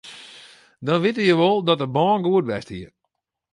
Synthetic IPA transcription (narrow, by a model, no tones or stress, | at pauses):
dɔnʋɪtəjəʋɔlˠdɔtəbɔːnɡuətʋɛstiə